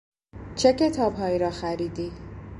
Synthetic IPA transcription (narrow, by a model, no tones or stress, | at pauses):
t͡ʃʰe̞ce̞t̪ʰɒːbɦɒːiːɾɒːxæɾiːd̪iː